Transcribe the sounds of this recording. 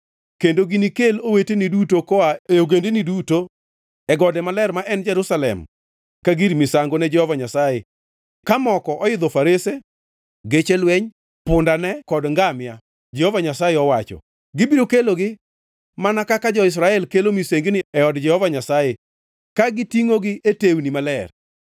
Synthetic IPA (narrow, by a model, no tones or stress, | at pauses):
kendoɡinikelowetenidutokɔaeoɡendeniduto | ɛɡɔdɛmalɛrmaʔɛnd͡ʒɛɾusalɛ̰m | kaɡiɾimisaŋɡonɛd͡ʒɛhovaɲasaje | kamɔkɔʔɔɪd̪ɔfaɾese | ɡet͡ʃelwɛɲ | pʊndanɛkɔdŋɡamja | d͡ʒɛhovaɲasajeɔwat͡ʃɔ̰ | ɡɪbiɾokeloɡɪ | manakakad͡ʒɔɪs̬ɾaɛlkelomiseŋɡnɪɛɔdd͡ʒɛhovaɲasaje | kaɡɪtiŋoɡɪʔetewnimalɛr